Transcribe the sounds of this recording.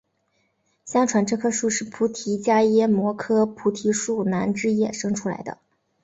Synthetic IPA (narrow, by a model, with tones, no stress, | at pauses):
ɕjɑ˥ŋʈ͡ʂʰwa˧˥nʈ͡ʂɤ˥˩kʰɤ˥˧ʂu˥˧ʂɻ̩˥˩pʰu˧˥t̪ʰi˧˥t͡ɕja˥jɛ˥mwɔ˧˥kʰɤ˥pʰu˧˥t̪ʰi˧˥ʂu˥˩na˧˥nʈ͡ʂɻ̩˥jɛ˥˩ʂɤ˥ŋʈ͡ʂʰu˥la̰˧˥ɪd̪ə̰˧